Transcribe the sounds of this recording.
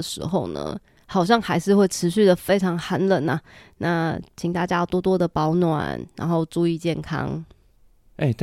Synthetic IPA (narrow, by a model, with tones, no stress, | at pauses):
əʂɻ̩̰˧˥xo˥˩ʊnə̰˩ | xɑ˨˩ʊɕ̬jɑ˥˩ŋxa˧˥ɪʂɻ̩˥˧xwe˥˩ɪʈ͡ʂʰɻ̩˧˥ɕy˥˩d̪ə˩fe˥ɪʈ͡ʂʰɑ˧˥ŋxa˧˥nlə˨˩˦na̰˨na˥˨t͡ɕʰi˨˩ŋt̪a˥˩t͡ɕja˥˩t̪wɔ˥˧t̪wɔ˥d̪ə˨pɑ˧˥ʊnwa̰˨˩nɻa̰˧˥nxo˥˧ʊʈ͡ʂu˥˧i˥˧t͡ɕjɛ˥˩nkʰɑ̰˦˥ŋ | e˥˩t̪